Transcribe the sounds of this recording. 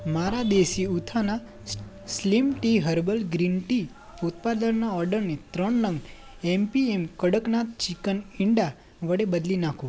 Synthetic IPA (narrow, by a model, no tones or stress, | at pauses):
maɾad̪eʃiut̪ʰana | slimʈiɦəɾbəlɡɾinʈi | ʊt̪̚pad̪ənːaɔɾɖəɾnet̪ɾəɳlə̃ŋɡ | empiemkəɽəknat͡ʃikənɪɳɖa | ʋəɽebəd̪linakʰũ